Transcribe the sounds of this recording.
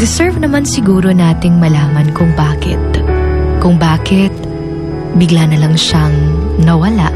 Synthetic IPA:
d̪ɪsɛɹvnɐmansɪɡuːɾo̞naːt̪ɪŋmɐlaːmɐnkʊŋbaːkɪt̪̚kʊŋbaːkɪt̪̚ | bɪɡlanɐlɐŋʃɐŋnɐwɐlaʔ

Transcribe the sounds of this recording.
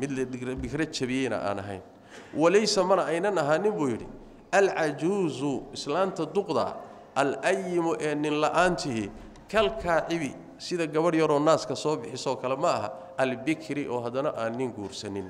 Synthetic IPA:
mɪd̪lɐbɪkrɐt͡ʃɐβɪjɛjnɐ̰ʔa̰ːnɐ̰ɦɛ̰jn | wɐlɛjsɐmɐnɐɛjnɐnɐɦaːnɪmbuːjɪɽɪ̰ | ʔɐlʕɑd͡ʒuːzʊɪslaːmt̪ʰɐd̪ʊqd̪ɐ̰ | ʔɐlʔɐjːɪmʊʔɛːnɪnlɐʔaːnt̪ʰɪɦɪ | kʰɐlkʰaːʕɪβɪ | sɪðɐɡɐβɐrjɐɾɔːnaːskʰɐsɔːbɪħɪsɔːkʰɐlɛmɐɐɦɐ | ʔɐlbɪkʰɾɪʔɔːɦɐd̪ɐnɐʔaːnːɪŋɡuːrsɐnɪn

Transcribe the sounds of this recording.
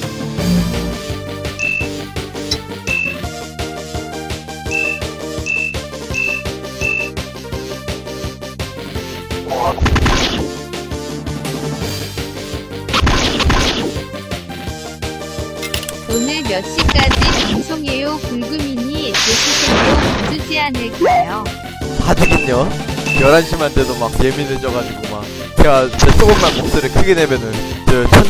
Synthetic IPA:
onɯɭmjʌɕ͈ik͈ad͡ʑit͡ɕusʰoŋejokuɭɡɯmiɲit͡ɕesʰusʰoŋɾoasʰud͡ʑianeɭkejo | kadɯɡiɲojʌɾanɕʰimantʰedomak̚je̞mined͡ʑʌɡad͡ʑiɡomak̚ | t͡ɕeɡat͡ɕesʰoɡomanpok̚s͈ɯɾiɭkʰɯɡenemjʌnɯnt͡ɕʌt͡ɕʰʌ

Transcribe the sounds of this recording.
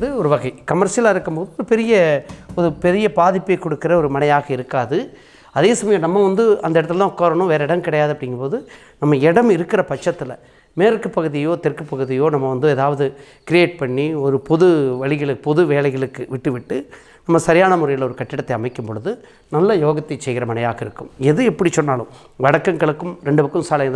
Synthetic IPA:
ðɯɔɾɯʋɐɣɐɪkɐmɐɾʂjɐlaːɪɾɯkːɯmpoːðɯɔɾɯpɛɾɪjɐɔɾɯpɛɾɪjɐpaːðɪpːɐɪkɔɽɯkːɪɾɐɔɾɯmɐnɐjaːɣɐɪɾɯkːaːðɯ | ɐðeːsɐmɐjɐmnɐmːɐʋɐnd̪ɯɐnd̪ɐɪɽɐt̪ːɯllãːkːɐːɾɐɳʊ̃ʋeːɾɐɪɽɐmkɪɽɐjaːðɐpːɐɽɪŋɡɐpoːðɯ | nɐmːɐɛɽɐmɪɾɯkːɪɾɐpɐt͡ʃːɐt̪ːɪlɐ̰ | meːɾkːɯpɐɣɯðɪjoːt̪ɛrkɯpːɐɣɯðɪjoːnɐmːɐʋɐnd̪ɯeːðaːʋɐðɯ | kɪɾɪeːʈ̚pɐɳːiɔɾɯpɔðɯʋɐɭɪɣɐɭɯpɔðɯʋeːlɐɪɣɐɭɯkːɯʋɪʈːɯʋɪʈːɯ | nɐmːɐsɐɾɪjaːnɐmʊɾɐjɪlɔɾɯkɐʈːɪɽɐt̪ːɐɪɐmɐɪkːɯmpɔɻɯðɯ | nɐlːɐjoːɣɐt̪ːit͡ʃsɛjɣɪɾɐmɐnɐjaːɣɐɪɾɯkːɯmɛðɯɛpːɐɽit͡ʃɔnːaːlɯ̰̃m | ʋɐɽɐkːɐŋɡɐɭɯkːɯmɾɛɳɖɯʋɐkːɯmsaːlɐð

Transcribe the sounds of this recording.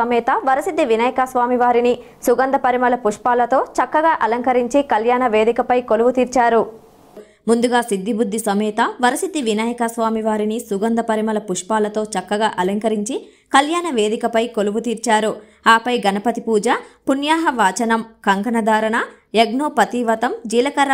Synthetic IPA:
ɐmɛːt̪ɐʋɐɾɐsid̪ʱːiʋinɐːjɐkasʋaːmiʋaːɾini | suɡɐnd̪ʱɐpɐɾimɐlɐpuʂpaːlɐt̪o̞ːt͡ʃɐkːɐɡaːʔɐlɐŋkɐɾiɲt͡ʃikɐljaːnɐʋeːd̪ikɐpɐjkoluʋut̪iːɾt͡ʃaːɾu | mund̪uɡaːsid̪ʱːibud̪ʱːisɐmɛːt̪ɐʋɐɾɐsit̪iʋinaːjɐkasʋaːmiʋaːɾinisuɡɐnd̪ɐpɐɾimɐlɐpuʂpaːlɐt̪o̞ːt͡ʃɐkːɐɡaːʔɐlɐŋkɐɾiɲt͡ʃi | kɐljaːnɐʋe̞ːd̪ikɐpɐjkoluʋut̪iːɾt͡ʃaːɾu | aːpɐjɡɐnɐpɐt̪ipuːd͡ʒɐpunjaːɦɐʋaːt͡ʃɐnɐmkɐŋkɐnɐd̪ʱaːɾɐnɐ | eɡ̚noːpɐt̪iːʋɐt̪ɐmd͡ʒiːlɐkɐɾ

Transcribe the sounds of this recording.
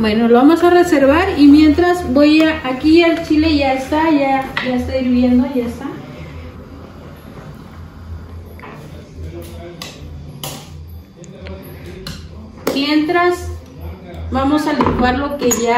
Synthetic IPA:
bwe̞no̞loβamo̞sare̞se̞ɾβaɾimje̞nt̪ɾazbojaʔːkialt͡ʃile̞ʝaest̪aʝaʝaest̪aiɾβje̞nd̪o̞ʝaest̪a | mje̞nt̪ɾas | bamo̞saliɡwaɾlo̞ke̞ʝa

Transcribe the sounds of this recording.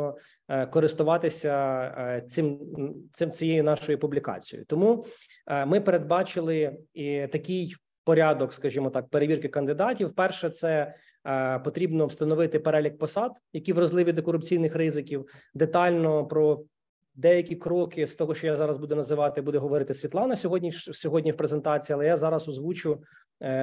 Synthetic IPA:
ɔ | kɔɾɪst̪ʊʋɑt̪ɪsʲɐ | t͡s̪ɪmsɪmt͡sʲijejʊnɑʃɔjipublʲikɑ̰t͡sʲijʊ̰t̪ɔmu | mɪpeɾed̪̚bɑt͡ʃɪlˠɪit̪ɐkʲɪj | pɔɾʲɑd̪ɔkskɐʒimɔt̪ɑk̚peɾeʋʲirkɪkɐnd̪ɪd̪ɑtʲiwpɛrʃɛt̪sɛ | pɔt̪ɾʲibnɔwst̪ɐnɔʋɪt̪ɪpeɾɛlʲik̚pɔsɑd̪jɐkʲiʋɾɐzlˠɪʋʲid̪ɔkɔɾʊpt͡sʲijnɪxɾɪzɪkʲiwd̪et̪ɑlʲnɔpɾɔ | d̪ɛjɐkʲikɾɔkɪst̪ɔɦɔʃt͡ʃɔjazɑɾɐzbud̪ɛnɐzɪʋɑt̪ɪbud̪ɛɦɔʋɔɾɪt̪ɪsʲʋʲit̪lˠɑnɐsʲɔɦɔdʲnʲiʃsʲɔɦɔdʲnʲiwpɾezent̪ɑt͡sʲiːɐlˠɛjazɑɾɐsɔzʋut͡ʃʊ

